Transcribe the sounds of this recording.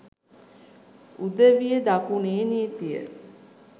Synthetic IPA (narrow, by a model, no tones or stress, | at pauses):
ud̪əʋijəd̪akuneːnit̪ijə̰